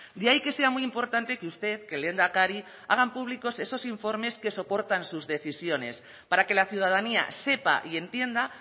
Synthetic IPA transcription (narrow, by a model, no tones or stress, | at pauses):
d̪eaike̞se̞amijimpo̞ɾt̪ant̪e̞keust̪e̞ðke̞le̞nd̪akaɾi | a̰ɣ̞ampuβ̞liko̞se̞so̞siɱfo̞ɾme̞ske̞so̞po̞ɾt̪ansuzðe̞θisjo̞ne̞̰s | paɾake̞laθjuð̞að̞ania̰se̞pa̰ʔie̞nt̪je̞nd̪a